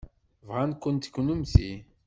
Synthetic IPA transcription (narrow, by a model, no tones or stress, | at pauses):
vʁankʷːənt̪kːnumθi